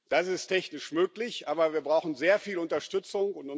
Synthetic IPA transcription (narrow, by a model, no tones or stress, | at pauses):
d̥asɪstʰɛçnɪʃmøːklɪçʔaːbɐviːɐbʁaʊxn̩zeːɐfiːlʊntɐʃtʏt͡sʊŋʊntʊ